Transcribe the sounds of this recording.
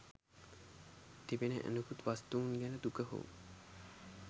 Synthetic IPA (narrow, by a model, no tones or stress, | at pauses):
t̪ebenəʔæ̰nukut̪ʋast̪uunɡænəd̪ukəɦo̰ṵ